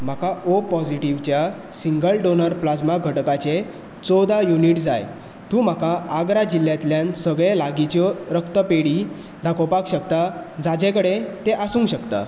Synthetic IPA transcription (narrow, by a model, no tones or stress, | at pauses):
m̤akaʔopɔd͡ʑiʈiʋt͡ɕja | siŋɡəlɖonəɾplad͡zmaɡʱəʈkat͡ɕe | t͡sɔd̪ajuniːʈd͡zaj | t̪ũːm̤akaaɡɾad͡ʑilːjat̪ljãnsəɡɭelaɡit͡ɕɔɾəkt̪əpeɽiː | d̪ʱakopakɕəkt̪ad͡zad͡ʑẽkəɽet̪eʔasũːŋɡɕəkt̪a̰